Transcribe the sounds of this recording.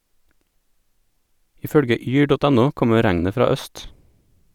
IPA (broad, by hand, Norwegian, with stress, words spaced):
ˈiː ˈfœɽɡə ˈyː ˈɖɔt ˈɛˌnʊ ˈkɔmə ˈɾæŋnə ˈfɾɑː ˈœst